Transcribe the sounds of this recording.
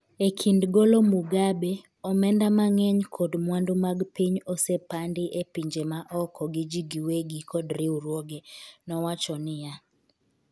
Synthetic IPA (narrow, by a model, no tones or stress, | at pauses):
ekʰindɡolomuɡabe | ɔmɛndamaŋɛɲkʰɔdmwandumaɡpiɲɔsepandɪʔepiɲd͡ʒemaʔɔkʰɔɡɪd͡ʒiɡiweɡikʰɔdɾɪuɾwoɡenɔwat͡ʃɔnɪja